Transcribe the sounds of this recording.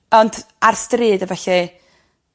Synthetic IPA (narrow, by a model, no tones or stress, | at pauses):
ɔnd | arstriːdəvɛɬi